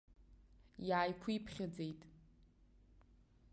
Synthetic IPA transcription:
jaːjkʷʰuipʰχʲad͡zejtʼ

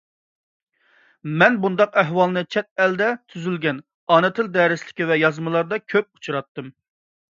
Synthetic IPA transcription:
mɛnbund̪ɑqæɦwɑlˠnɨt͡ʃʰɛt̪̚ɛld̪ɛt̪ʰyzylɡʲɛn | ɑːnɨt̪ʰɪld̪ɛɾɪslɪ̥kʲivɛjɑzmɨlˠɑɾd̪ɑkʲʰøp̚u̥t͡ʃʰuɾɑt̪ːɨm

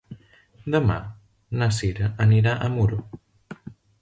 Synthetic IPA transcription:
d̪əma̰ | nasiɾəʔəniɾaʔəmuɾo

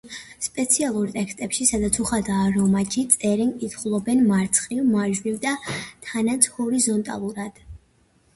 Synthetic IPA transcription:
spʼɛt̪sʰialˠuɾt̪ʼɛkst̪ʼɛpʃisad̪at̪sʰuχad̪aːɾɔmat͡ʃʰit̪sʼɛɾɛŋkʼit̪ʰχulˠɔbɛnmaɾt̪sʰχʼivmaʒvivd̪at̪ʰanat̪sʰhɔɾizɔnt̪ʼa̰lˠuɾad̪̥

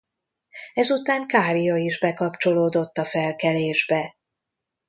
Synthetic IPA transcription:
ɛzut̪aːŋkaːɾijɒiʒbɛkɒpt͡ʃo̞loːd̪o̞t̪ːɒfɛlkɛleːʒbɛ

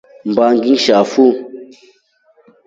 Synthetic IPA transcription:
m̩baŋɡiŋʃafu

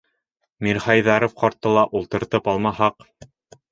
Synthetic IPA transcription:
miɾχɑjðɑɾofqɑɾt̪ːɤlˠɑʔulˠt̪ɤ̆ɾt̪ɤpɑlˠmɑhɑq

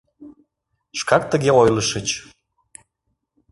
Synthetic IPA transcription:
ʃkɑk̚t̪əɣeojləʃət͡ɕ

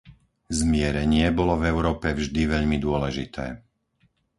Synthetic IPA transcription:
zmɪɛɾɛɲɪɛbɔlɔvɛʊɾɔːpɛvʒd̪iʋɛʎmid̪ʊɔlɛʒḭt̪ʰɛ̰ː

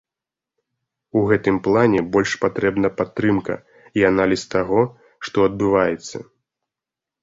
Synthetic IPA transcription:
uɣɛt̪ɨmplˠanʲɛbɔlʲʂpat̪ɾɛbn̪ɐpat̪ːɾɨmkɐ̰ | ianalʲist̪aɣɔ | ʂt̪ɔɐd̪̚bɨvajɛt̪sːɐ̰

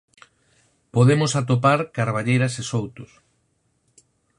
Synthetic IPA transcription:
poðemʊsat̪op̬aɾkaɾβaʎejɾɐsesowt̪ʊs

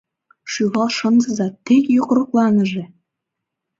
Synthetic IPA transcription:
ʃyβɑlˠʃɤ̆nzə̆zɑt̪ːekjokɾŏklɑnə̆ʒe

